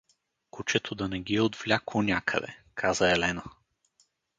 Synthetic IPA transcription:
kut͡ʃɛt̪ʰod̪ɐnɛɡiɛod̪vlʲaklˠonʲakʰə̰d̪ɛ̰kʰazəɛlɛnə

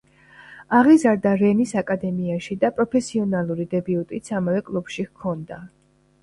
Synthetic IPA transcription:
aʁizaɾd̪aɾɛnisakʼad̪ɛmiaʃid̪apʼɾɔpʰɛsiɔnalˠuɾid̪ɛbiut̪ʼit̪sʰamavɛkʼlˠubʃikʰɔnd̪a

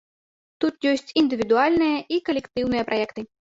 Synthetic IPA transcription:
t̪ut̪jɔsʲt͡sʲind̪ɨvʲid̪ualʲnɨjɐʔikɐlʲɛkt̪ɨwnɨjɐpɾʔajɛkt̪ɨ

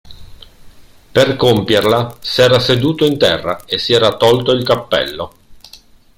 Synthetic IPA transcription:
perkompjerlasɛːɾased̪uːt̪oint̪ɛrːaesːiɛːɾat̪ɔlt̪oilkapːɛ̰lːo

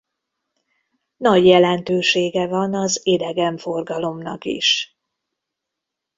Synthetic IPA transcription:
nɒɟjɛlɛnt̪øːʃeːɡɛvɒnɒzed̪ɛɡɛɱfo̞rɡɒlo̞mnɒkḭʃ

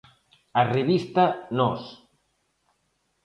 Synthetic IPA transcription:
areβist̪anɔs

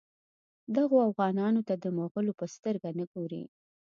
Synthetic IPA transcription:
d̪aɣoafɣɑnɑnot̪ad̪əmoɣəlopəst̪əɾɡanəɡoɾḭ

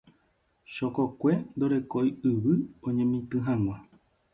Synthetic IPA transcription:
ʃokokʷe̞nd̪oɾe̞kojɨʋɨõɲẽmĩt̪ɨɦãŋ̃ʷã

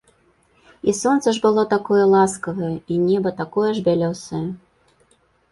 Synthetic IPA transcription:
isɔnt̪sɐʐbɨlˠɔt̪akɔjɛlˠaskɐvɐjɐinʲɛbɐt̪akɔjɛʐbʲalʲɔwsɐjɐ

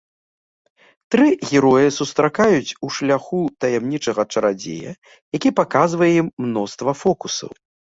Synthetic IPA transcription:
t̪ɾɨɣʲɛɾɔjɨsust̪ɾakajut͡sʲuʂlʲaxut̪ɐjɛmnʲit͡ʂɐɣɐt͡ʂɐɾad͡zʲḛjɐ̰ | jakʲipakazvɐjɛjimːnɔst̪vɐfɔkusɐ̰w

